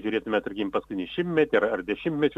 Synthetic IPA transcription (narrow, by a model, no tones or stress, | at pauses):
ʒʲʊɾʲeːt̪ʊmʲɛt̪ʊɾʲkʲɪmpɐskʊɪnʲɛʃʲɪmtʲmʲɛt̪ʲɪɐrɐrd̪ʲɛʃʲɪmʲt̪ʲmʲɛt͡ʃʲʊ